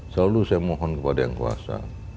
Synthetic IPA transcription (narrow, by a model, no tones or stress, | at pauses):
salusajamɔɦɔnkəpadajaŋkua̰sa̰